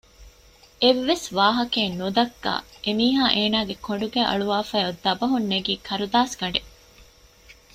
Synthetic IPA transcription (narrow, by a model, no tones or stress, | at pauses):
eʋːesʋaːɦɐkeːnnud̪ɐkːa̰ːʔemiːɦaːʔeːnaːɡekoɳ̆ɖuɡæːʔɐ̰ɭuʋaːfæːod̪ːɐbɐɦunːeɡiːkʰɐɾud̪aːsɡɐɳɖe